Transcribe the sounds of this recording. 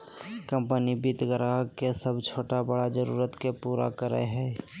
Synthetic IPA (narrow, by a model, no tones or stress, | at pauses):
kə̃mpənibit̪ɡəɾakesəbt͡ʃʰoːʈabəɽad͡ʒəɾuːɾət̪kepuːɾa̰kəɾə̰eɦɛː